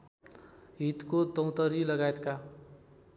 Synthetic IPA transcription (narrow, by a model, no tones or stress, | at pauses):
ɦit̪kot̪ʌ̃w̃t̪ʌɾilʌɡajet̪ka